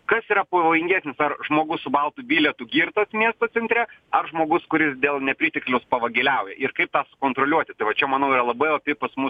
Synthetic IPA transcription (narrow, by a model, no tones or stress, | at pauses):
kɐsiːɾɐpoʋoːjɪŋʲɡʲæːsʲnʲɪsɐrʒmoːɡʊssʊbɐlˠt̪uːbʲiːlʲɛt̪uːɡʲiːɾt̪oːsmʲiɛst̪oːsʲɛnʲt̪ʲɾʲɛɐrʒmoːɡʊskʊɾʲɪsd̪ʲeːlˠnʲɛpʲɾʲiːt̪ʲɪklʲɛʊspɐʋɐɡʲɪlʲɛʊjɛʔɪrkɐɪp̚t̪ɑːsʊ̥koːnt̪ɾoːlʲuɔt̪ʲɪt̪ɐɪʋɐt͡ʃʲɛmɐnɐʊiɾɐlˠɐbɐɪɐpʲɪpɐsmʊ